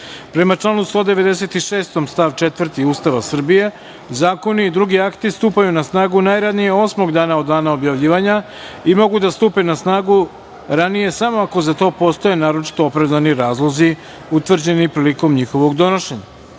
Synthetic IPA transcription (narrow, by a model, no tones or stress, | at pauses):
pɾe̞mat͡ʃlˠaːnust̪o̞d̪e̞ʋe̞d̪e̞se̞t̪iʃeːst̪o̞mst̪aʋt͡ʃe̞t̪ʋr̩t̪iuːst̪aʋasr̩bije̞ | zaːko̞niːd̪ɾuɡiakt̪ist̪uːpajunasnaːɡunajɾad̪nije̞o̞smo̞ɡd̪aːnao̞d̪ːaːnaobjaʋʎiːʋaɲa | imo̞ɡud̪ast̪uːpe̞nasnaːɡu | ɾanije̞samoako̞zat̪o̞ːpo̞st̪o̞je̞naːɾo̞t͡ʃi̥t̪o̞opɾaʋd̪aniɾaːzlˠo̞zi | ut̪ʋr̩d͡ʑe̞nipɾiːliko̞mɲixo̞ʋo̞ɡd̪o̞noʃe̞ɲa̰